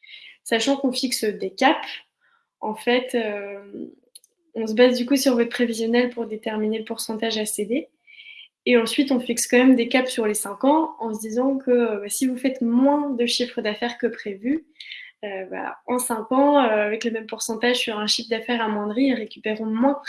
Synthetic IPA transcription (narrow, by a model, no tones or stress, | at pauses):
saʃɑ̃kɔ̃fiksd̪ekap | ɑ̃fɛt̪øm | ɔ̃səbazd̪ykusyʁvɔt̪̚pχevizjɔnɛlpuʁd̪et̪ɛʁmineləpuʁsɑ̃t̪aʒased̪e | eɑ̃sɥit̪ɔ̃fikskɑ̃mɛmd̪ekapsyʁlesɛ̃kɑ̃ɑ̃sd̪izɑ̃kʰəbasivufɛt̪mwɛ̃d̪əʃifχəd̪afɛʁkəpχevy | øba̰ɑ̃sɛ̃kɑ̃øavɛkləmɛmpuʁsɑ̃t̪aʒsyʁɛ̃ʃifd̪afɛʁamwɑ̃d̪ʁiʁekʲypeʁɔ̃mwɛ̃